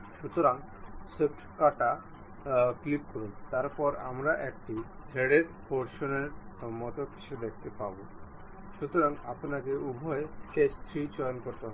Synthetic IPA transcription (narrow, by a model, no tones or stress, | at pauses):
ʃut̪ɔɾaŋɡ | səʈʰkaʈa | klit̪̚kɔɾunt̪aɾpɔɾa̰mɾaʔɛkʈid̪ʱeɽeɾpʰoɾʃɔneɾɔmːɔt̪ɔkʰi̥ʃʰed̪ek̚ʰt̪epabu | ʃut̪ɔɾãŋɡapnakeubʱɔjʈest̪ʰɾit͡ɕɔjɔnkɔɾt̪ɔ